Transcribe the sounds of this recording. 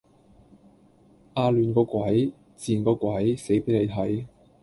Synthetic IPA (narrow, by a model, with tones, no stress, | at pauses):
ʔaː˧lyː˨nkɔː˧kʷwɐ˨˥j | t͡siː˨nkɔː˧kʷɐ˨˥jse˨˥jpe˨˥nle˨˧jt̪ʰɐ˨˥j